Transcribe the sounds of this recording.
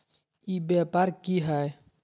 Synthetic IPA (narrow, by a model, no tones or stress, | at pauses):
ibjɛpaɾkiɦɛj